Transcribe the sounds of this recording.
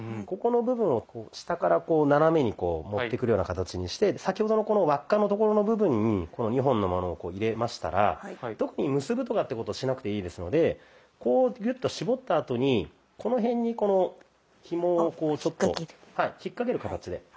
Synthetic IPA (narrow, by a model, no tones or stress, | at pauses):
ko̞ko̞no̞bɯ̟bɯ̟̃ɰ̃o̞koːɕi̥t̪akaɾako̞ːnaɾame̞ɲ̟iko̞ːmo̞t̪ːe̞kɯɾɯjonakat̪at͡ɕiɲ̟iɕi̥t̪e̞sakʲiho̞d̪o̞no̞ko̞no̞βakːanot̪oko̞ɾo̞no̞bɯ̟bɯ̟̃ɲ̟ːiko̞no̞ɲ̟iɦõ̞nːo̞mo̞no̞ːko̞ːiɾe̞maɕi̥t̪a̰ɾa̰t̪o̞kɯ̟ɲ̟imɯ̟sɨbɯ̟t̪o̞kat̪ːe̞ko̞t̪o̞ɕinakɯ̟t̪e̞iːd̪e̞sɨno̞d̪e̞ | ko̞ːjʲɯ̟t̪ːo̞ɕibo̞t̪ːaːt̪o̞ɲ̟i | kʰo̞no̞ɦẽ̞ɲ̟ːiko̞no̞ | çimoːko̞ːt͡ɕo̞t̪ːo̞̰haiçikːak̬e̞ɾɯ̟kat̪at͡ɕid̪e̞̰